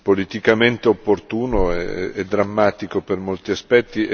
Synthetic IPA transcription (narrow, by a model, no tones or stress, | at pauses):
polit̪ikament̪eopːort̪uːnoɛɛ̰ɛd̪ːɾamːaːt̪ikopermolt̪iaspɛt̪ːi